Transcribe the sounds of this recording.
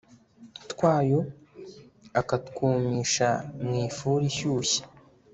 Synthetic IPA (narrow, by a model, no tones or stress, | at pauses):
tkwaːjo | akatkuːmiːʃamŋiːfuːɾiçuːɕi̥